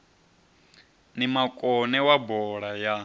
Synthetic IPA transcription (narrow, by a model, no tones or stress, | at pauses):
nimakʼɔnɛwabɔɺaja